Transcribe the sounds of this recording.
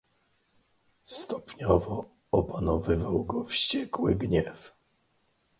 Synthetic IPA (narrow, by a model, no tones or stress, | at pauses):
st̪ɔpɲɔvɔ | ɔpanɔvɘvawɡɔfɕt͡ɕɛkwɘɡɲɛf